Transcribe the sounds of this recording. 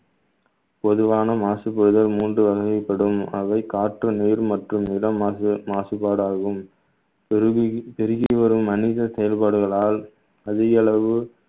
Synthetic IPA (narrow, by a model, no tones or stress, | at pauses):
pɔðɯʋaːnɐmaːsɯpːɯɽɯðɐlmuːndrɯʋɐɣɐɪpːɐɽɯmɐʋɐɪkaːʈrɐniːɾmɐʈrɯmnɪlɐmmaːsɯpːaːɽaːɣɯm | pɛɾɪɣɪiʋɐɾɯmːɐnɪðɐsɛjɐlpaːɽɯɣɐɭaːl | ɐðɪɣɐɭɐʋɯ